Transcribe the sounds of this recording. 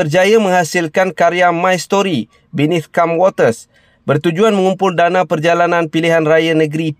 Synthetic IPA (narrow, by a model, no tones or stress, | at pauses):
ərd͡ʒajaməŋhasɪlkankaɾiamajst̪ɔɾi | binɪt̪kamwɔt̪ərs | bərt̪ud͡ʒuanməŋumpʊldanãpərd͡ʒalanãnpiliɦanrajanəɡɾi